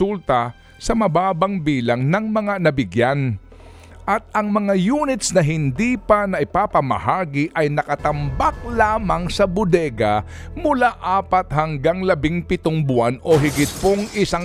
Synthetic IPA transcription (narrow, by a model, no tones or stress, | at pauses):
ult̪ɐ | sɐmɐbaːbɐŋbiːlɐŋnɐŋmɐŋanɐbɪɡjan | ʔɐt̪̚ɐŋmɐŋajuːnɪt̪snɐɦɪnd̪ipɐnɐʔɪpapɐmɐ̰haːɡɪʔɐjnɐkɐt̪ɐmbak̚laːmɐŋsɐbʊd̪ɛɡɐmʊlaʔaːpɐt̪̚hɐŋɡaŋlɐbɪŋpɪt̪oŋbʊano̞ɦɪɡɪt̪̚poŋɪsa